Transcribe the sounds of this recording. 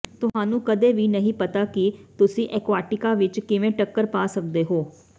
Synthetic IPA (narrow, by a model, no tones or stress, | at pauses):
t̪ʊɦãːnũːkəd̪eːʋiːnəɦĩːpət̪aːkit̪ʊsĩːʔɛːkʋaːʈɪkaːʋɪt͡ʃkɪʋẽːʈəkːəɾpaːsək̚d̪eːɦoː